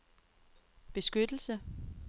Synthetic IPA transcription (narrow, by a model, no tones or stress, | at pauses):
b̥e̝sɡ̥ød̥l̩sə